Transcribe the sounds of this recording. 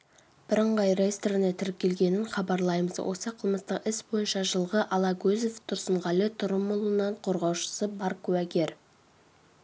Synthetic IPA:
b̥ɪɾəɴʁɑjrest̪ɾɪnet̪ʰɪɾɪp̚kʲʰe̞lɡʲe̞nɪɴχɑbɑɾlˠɑjməzwʔo̞̰səqʰəlˠməst̪əqɪsbo̞jənʃɑʒəlˠʁəʔɑlˠɑɡʲɵzeft̪ʰʊɾsəɴʁɑlet̪ʰʊɾəmːʊlˠənɑɴqʰo̞ɾʁɑwʃə̥səbɑɾkʲʰʉwæɡʲe̞ɾ

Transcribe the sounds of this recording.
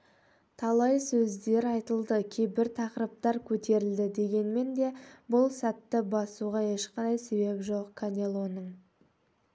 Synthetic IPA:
t̪ʰɑlˠɑjsɵzd̪e̞ɾɑjt̪əlˠd̪əkʲʰe̞jbɪɾt̪ʰɑqɾəp̚t̪ɑɾkʲʰɵt̪e̞ɾɪld̪ɪd̪e̞ɡʲe̞nme̞nd̪e̞bʊlˠsæt̪ːɪbɑsuʁɑje̞ʃqɑnd̪ɑjse̞be̞pʒo̞qkʰanʲelˠo̞nəɴ

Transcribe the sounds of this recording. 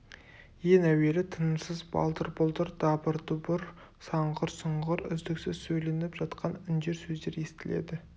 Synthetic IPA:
je̞næwe̞ɾɪt̪ʰənəmsəzbɑ̰lˠt̪əɾbolˠt̪əɾd̪ɑbəɾd̪ʊbʊɾ | sɑɴʁəɾsəɴʁəɾʏ̰zd̪ɪksɪz̥sɵjle̞nɪpʒɑt̪qɑnʏnd̪e̞ɾsɵzd̪e̞ɾe̞st̪ɪle̞̰d̪ɪ

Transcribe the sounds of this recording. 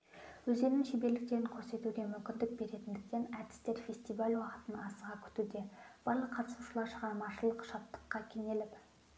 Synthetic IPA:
wɵze̞ɾɪnʃebe̞lɪk̚t̪e̞ɾɪŋqʰose̞t̪uɡʲe̞mʏmkʲɪnd̪ɪk̚be̞ɾe̞t̪ɪnd̪ɪk̚t̪e̞næd̪̥ɪ̥st̪e̞ɾfʲe̞sʲt̪ijvalʲwɑqə̥t̪ənɑsəʁɑkʲʰʏ̥t̪ud̪e̞b̥ɑɾlˠəqʰːɑt̪əsuʃəlˠɑɾʃəʁɑɾmɑʃəlˠəqʃɑt̪ːə̥qːɑkʲʰe̞ŋe̞lɪp

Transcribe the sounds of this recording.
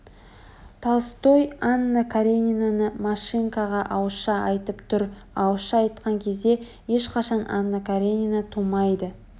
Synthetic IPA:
t̪ʰɑst̪ojanːakʰaɾʲenʲinanəmaʃiŋkaʁɑʔɑwʃɑɑjt̪əpt̪ʰʊɾ | ɑwʃɑɑjt̪qɑŋkʲʰe̞zd̪e̞ | je̞ʃqɑʃɑnʔa̰nːakaɾʲenʲinat̪ʰumɑjd̪ə

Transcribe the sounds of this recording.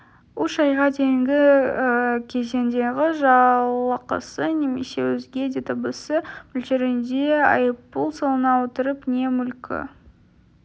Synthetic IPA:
ʊʃɑjʁɑd̪ejɪŋɡʲɪ | kʲʰe̞ze̞nd̪e̞ɡʲɪʒɑlˠəqə̰səne̞mḛse̞̰wɵzɡʲe̞d̪ʲet̪ʰəbəsəmʏlʒeɾɪnd̪e̞ɑ̰jəpːulˠsolˠənɑwot̪əɾəpne̞mʏlkʲɪ̰

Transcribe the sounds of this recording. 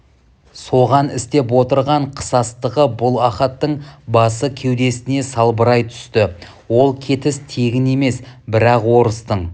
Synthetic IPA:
so̞ʁɑnɪst̪e̞p̬wo̞t̪əɾʁɑɴqʰə̥sɑst̪əʁəbʊlˠɑχɑt̪ːəɴbɑsəkʲʰe̞wd̪e̞sɪne̞sɑlˠbəɾɑjt̪ʰʏ̥st̪ɪ | wo̞lˠkʲʰe̞t̪ɪst̪ʰe̞ɡʲɪne̞me̞sbɪɾɑqwo̞ɾəst̪əɴ

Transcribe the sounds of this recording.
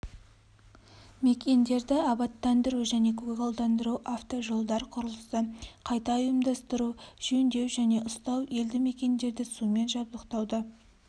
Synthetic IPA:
me̞kʲe̞nd̪e̞ɾd̪ɪɑbɑt̪ːɑnd̪əɾuʒæne̞kʰuɡɑlˠd̪ɑnd̪əɾuʔaft̪o̞ʒo̞lˠd̪ɑɾqʰʊɾəlˠəst̪əqʰɑjt̪ɑʊjəmd̪ɑst̪əɾuʒ̥ɵnd̪e̞wʒæne̞ʔʊst̪ɑwe̞ld̪ɪme̞kʲe̞nd̪e̞ɾd̪ɪsume̞nʒɑbd̪əqt̪ɑwd̪ə

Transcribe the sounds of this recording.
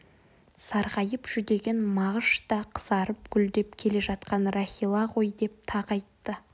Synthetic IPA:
sɑɾʁɑjəpʒ̥ʏd̪e̞ɡʲe̞nmɑʁəʃt̪ɑqʰə̥zɑɾəp̚ɡʲʏld̪e̞pkʲʰe̞le̞ʒɑt̪qɑnraχʲilˠɑʁo̞jd̪e̞p̚t̪ʰɑʁɑjt̪ːə

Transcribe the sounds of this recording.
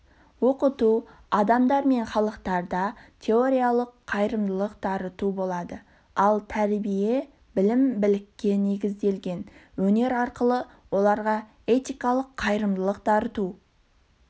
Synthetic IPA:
wo̞qət̪u | ɑd̪ɑmd̪ɑɾme̞ɴχɑlˠəqt̪ɑɾd̪ɑt̪ʲʰe̞o̞ɾʲijalˠəqʰːɑjɾəmd̪əlˠəq̚d̪ɑɾət̪ubo̞lˠɑd̪ə | ɑlˠt̪ʰæɾbije̞ | bɪlɪmbɪlɪkʲːe̞ne̞ɡʲɪzd̪e̞lɡʲe̞nwɵne̞ɾɑɾqəlˠə | wo̞lˠɑɾʁɑ | et̪ʲijkɑlˠəqʰːɑjɾəmd̪əlˠəq̚d̪̥ɑɾət̪u

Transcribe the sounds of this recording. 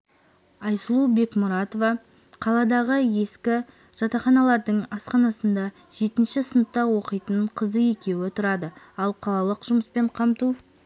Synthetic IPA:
ɑjsəlˠube̞kmʊɾɑt̪ovɑ | qʰɑlˠɑd̪ɑʁəje̞skʲɪ | ʒ̥ɑt̪ɑχɑnɑlˠɑɾd̪əɴɑsqɑnɑsənd̪ɑ | ʒ̥e̞t̪ɪnʃɪsənət̪t̪ːɑwo̞qəjt̪əɴqʰəzəje̞kʲe̞wot̪ʊɾɑd̪ə | ɑlˠqʰɑlˠɑlˠəqʒʊməspe̞ɴqʰɑmt̪u

